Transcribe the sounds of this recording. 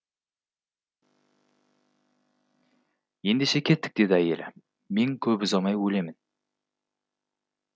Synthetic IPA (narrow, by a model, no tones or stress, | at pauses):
je̞nd̪eʃe̞kʲʰe̞t̪ːɪ̥k̚d̪e̞d̪ɪæje̞̰lɪ | me̞ŋkʲʰɵbʏzɑmɑjwɵle̞mɪn